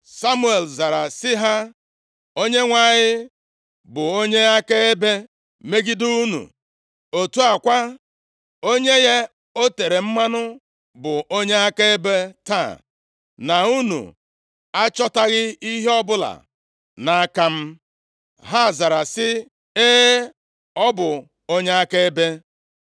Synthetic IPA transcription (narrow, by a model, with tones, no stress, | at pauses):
sa˦mu˦e˨lza˨ɾa˨sɪ˦ɦa˦ | o˦ɲe˦ŋʷa˨ɲɪ˦ | bʊ˨o˦ɲe˦a˦ka˦e˦be˦ | me˦ɡi˦du˦u˦nṵ˨ | o˨tu˦a˨kʷa˦ | o˦ɲe˦ɣe˦ | o˦te˨ɾe˨m̩˦ma˦nʊ˦ | bʊ˨o˦ɲe˦a˦ka˦e˦be˦ta̰˦˨ | na˨u˦nṵ˨ | a˦t͡ʃɔ˦ta˦ɣɪ˦i˦ɦe˦ɔ˦bʊ˦la̰˨ | na˨a˦ka˦m̩˦ | ɦa˦˨za˨ɾa˨sɪ˦ | e˦ | ɔ˦bʊ˨ | o˦ɲe˦a˦ke˦be˦